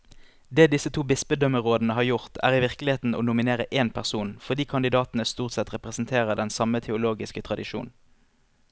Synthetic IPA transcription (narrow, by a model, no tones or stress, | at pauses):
d̪eːd̪ɪsət̪ʰuːbɪsbəd̪œməʁoːd̪n̩əɦɑːʁjʊʁt̪ʰæ̰ːʁɪʋɪʁkəlɪheːt̪n̩o̰ːnʊmɪneːʁəʔeːnpʰæʁsuːnfɔʁd̪iːkʰɑnd̪ɪd̪ɑːt̪n̩əst̪uːʁt̪sɛt̪ʁɛpʁɛsn̩t̪ʰeːʁəʁd̪ɛnsɑmət̪ʰɛʊloːɡɪskət̪ʰʁɑd̪ɪʃṵːn̩